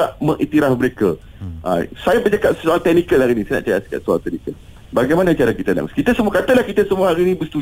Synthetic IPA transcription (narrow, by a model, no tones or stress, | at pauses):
aʔməŋʔit̪iɾahməɾekə | ʔa̰sajabəd͡ʒakap̚səsoaŋt̪ɛnikəlhaɾinĩsajana̰ʔt͡ʃaɾasi̥ka̰ʔso̰ã̰ŋt̪ɛnikəl | baɡajmanat͡ʃaɾakit̪ana̰m̰skit̪əsəmuakat̪əlahkit̪əsəmuaɦaɾinĩbəst̪u